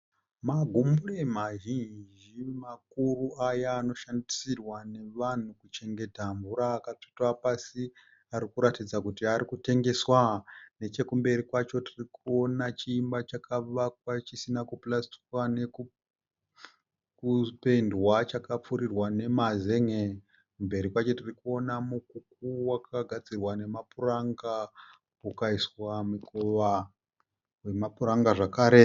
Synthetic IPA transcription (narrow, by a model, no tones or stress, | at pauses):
maɡʱumbulemaʒind͡ʒimakuruajaːno̞ʃandisirwane̞ʋan̤ukut͡ʃe̞ŋɡe̞taɱvuɾaːkati̥tapasi | aɾikuɾatid͡zakutiaɾikute̞ŋɡe̞swane̞t͡ʃe̞kumbe̞rikwat͡ʃo̞tirikuo̞nat͡ʃiːmbat͡ʃakʰaʋak̚wat͡ʃisinakuplasti̥kwane̞ku | kupendwat͡ʃakap͡fuɾirwane̞maze̞ŋe | kumbe̞ɾikwat͡ʃo̞tirikuo̞namukukuwakʰaɡʱad͡zirwane̞mapuraŋɡa | ukaiswamikoʋa | we̞mapuraŋɡaʐakaːɾe̞